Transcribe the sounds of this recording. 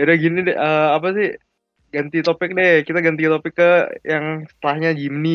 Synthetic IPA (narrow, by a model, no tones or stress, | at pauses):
jadɛɡinidɛəːap̬asɪh | ɡant̪it̪opɪk̚dɛkit̪aɡant̪it̪opɪkːəjaŋsə̥t̪əlahɲad͡ʒimni